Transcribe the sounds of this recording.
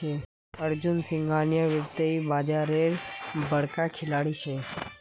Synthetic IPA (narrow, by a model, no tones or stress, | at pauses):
e | əɾd͡ʒʊnsɪ̃ŋɡʱaːnjəʋəɾt̪əibaːd͡ʒaːɾeɾbəɽkakʰɪlaːɽit͡ʃʰe